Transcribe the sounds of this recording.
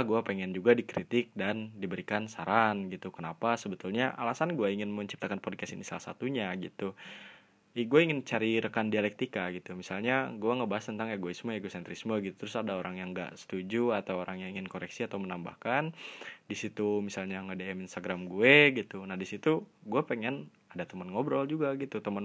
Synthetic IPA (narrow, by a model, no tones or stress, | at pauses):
ɡuapeŋɛnd͡ʒuɡadikɾit̪ɪk̚dandibəɾikansaɾanɡit̪ukənapasəbət̪ulɲaʔalasanɡuɛiŋɪnməɲt͡ʃi̥p̚t̪akanpɔd̚kasinisalahsa̰t̪uɲaɡit̪u | ɡuaiŋɪnt͡ʃaɾiɾəkandialɛk̚t̪ikaɡit̪umisalɲaɡuaŋəbaɦast̪ənt̪aŋeɡoismoeɡosɛnt̪ɾismoɡit̪u̥t̪ɾʊsadaoɾaŋjaŋɡa̰ʔsə̥t̪ud͡ʒuat̪awoɾaŋjaŋiŋɪnkoɾɛksiat̪awmənamba̰hkandisit̪umisalɲaŋədeɛminst̪aɡɾamɡueɡit̪unahdisit̪uɡuapeŋɛn | adat̪əmənŋobɾɔld͡ʒuɡaɡit̪ut̪əmən